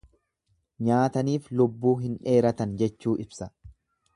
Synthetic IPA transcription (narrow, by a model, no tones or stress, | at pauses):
ɲaːt̪ɐniːflʊbːuːɦɪnᶑe̞ːɾɐt̪ɐnd͡ʒɛt͡ʃːuːʔɪbsɐ